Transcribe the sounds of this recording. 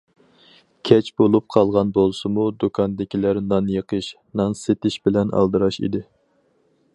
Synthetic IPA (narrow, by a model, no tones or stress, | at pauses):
kʲʰɛt͡ʃbolˠup̚qʰɑlˠʁɑnbolˠsɨmud̪okʰɑnd̪ɪkʲʰilæɾnɑnjeqʰəʃ | nɑnset̪ɪʃbɪlɛnɑ̰lˠd̪ɨɾɑʃḭd̪ɪ